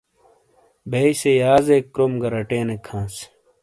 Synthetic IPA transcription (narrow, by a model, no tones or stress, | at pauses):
bʱeisejaːzekːɾomɡɐɾɐʈeːnekʰãːs